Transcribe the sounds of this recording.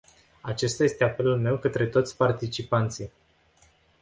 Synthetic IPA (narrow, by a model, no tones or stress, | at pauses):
at͡ʃe̞st̪aje̞st̪e̞ape̞lulme̞wkət̪ɾe̞t̪o̞t̪sʲpart̪it͡ʃipant̪sij